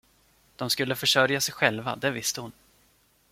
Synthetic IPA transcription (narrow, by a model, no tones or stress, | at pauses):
d̪̥ɔmskɵlːəfœʂœɾjasɛjɧɛlva̰d̪ɛvɪst̪əhʊn